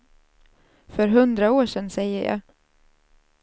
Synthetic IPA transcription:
fœɾɦɵnd̪ɾaoːʂɛnːsɛjːəɾjɑ̰ː

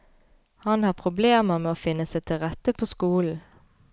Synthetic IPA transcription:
hɑnhɑːpʰʁʊbleːməmeːoːfɪnːəsæɪt̪ʰɪlʁɛt̪əpʰoːskuːln̩

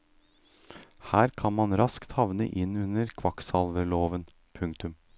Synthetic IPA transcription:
hæːɾkʰɑnmɑnɾɑskt̪hɑʋnə̰ʔɪnʉnəɾkʰʋɑksɑlʋəɾɭoːʋən | pʰʉŋkt̪ʉm

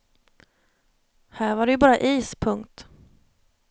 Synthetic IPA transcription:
hæːɾvaɖɛjɵbɑːɾaʔiːspʰɵŋkt̪

